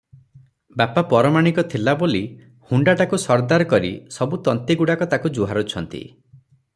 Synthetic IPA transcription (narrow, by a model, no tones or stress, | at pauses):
bapapɔɾɔmaɽ̃ikɔt̪ʰilaboli | huɳɖaʈakusɔɾd̪aɾɔkɔɾḭsɔbut̪ɔnt̪iɡuɽakɔt̪akud͡ʒuɦaɾut͡ʃʰɔnt̪ḭ